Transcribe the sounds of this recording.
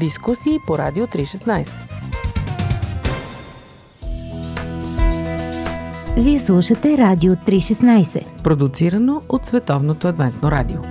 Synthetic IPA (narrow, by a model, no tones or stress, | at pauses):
d̪iskusiːpoɾa̰d̪iot̪ɾiʃɛsnajsɛ̥ | viɛslˠuʃət̪ɛɾad̪iot̪ɾiʃɛsnajsɛ̰pɾod̪ut̪siɾɐnoot̪svɛt̪ɔvnot̪oɐd̪vɛnt̪noɾa̰d̪io